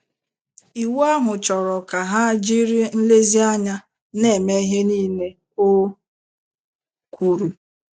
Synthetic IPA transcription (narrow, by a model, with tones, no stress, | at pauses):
i˨wa˦mʊ˨t͡ʃɔ˨ɾɔ˨ka˨ɦa˦d͡ʒi˦ɾi˦n̩˦le˦zi˦a˦ɲa˦ | ne˨me˦ɦe˦niː˦ne˦ | o˦ | kʰʷu˨ɾu˨